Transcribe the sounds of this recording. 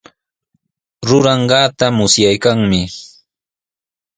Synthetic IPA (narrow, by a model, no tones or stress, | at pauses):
ɾʊɾɑɴɢɑːt̪amʊsjajkaŋmɪ